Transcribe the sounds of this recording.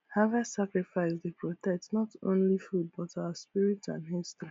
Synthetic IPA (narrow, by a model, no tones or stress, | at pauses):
havasakɹifaɪsdepʰɹɔtɛk̚tnɔtʰõ̰nlifud̚bɔtaʊaspiɹitã̰nɦistɹi